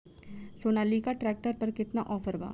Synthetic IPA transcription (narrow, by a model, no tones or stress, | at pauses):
soːnaːlːikaʈɾɛːk̚ʈəɾpɐɾkɪt̪naʔɔːfʰəɾba̰ː